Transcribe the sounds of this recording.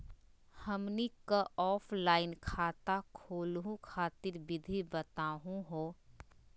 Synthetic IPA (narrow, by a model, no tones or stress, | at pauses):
həmnikaʔɔːpʰlaːɪnkʰaːt̪akʰoːlɦũkʰaːt̪ɪɾbɪd̪ʱibət̪aːɦũɦoː